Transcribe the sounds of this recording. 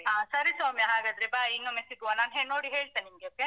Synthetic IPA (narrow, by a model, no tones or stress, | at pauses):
ɦãːsɐɾisaːmjɐɦaːɡad̪ɾibainːomisikuʋanaːnɦeːɭnoːɽiɦeːɭt̪enimɡeokːe